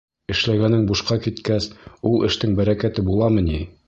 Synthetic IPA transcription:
ɘ̆ʃlæɡænɘŋbuʃqɑkit̪kæsulˠɘ̆ʃt̪ɘŋbæɾækæt̪ɘbulˠɑmɤ̆ni

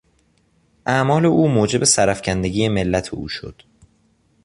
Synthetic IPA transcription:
ʔæmɒːle̞ʔuːmoːd͡ʒe̞be̞sæɾæfcʰænd̪e̞ɡɟiːeme̞lːæt̪ʰḛṵːʃo̞̰d̪̥

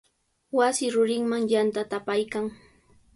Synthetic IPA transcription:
wasɪɾʊɾɪŋmaŋjant̪at̪apajkaŋ

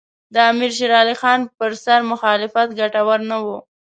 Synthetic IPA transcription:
d̪əamiɾʃ̬iɾɑlixɑnpəɾsaɾmʊxɑlɪfat̪ɡaʈawaɾnawu

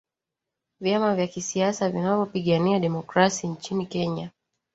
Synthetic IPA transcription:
vjamavjakisiasavinavɔpiɠaniaɗɛmɔkɾasiɲt͡ʃinikɛɲa

